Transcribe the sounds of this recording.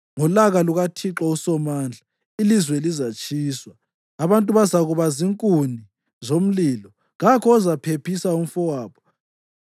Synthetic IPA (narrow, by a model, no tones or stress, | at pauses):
ŋɔlaɣaluɣatʰiǁausɔmaːnd͡ɮʱa | ilizwɛlizat͡ʃʼiːswaː | βantʼuβazaɣuβaziŋkʼuni | zom̩lilɔ | ɣakʰɔːzapʰepʰisaum̩fɔwaːβɔ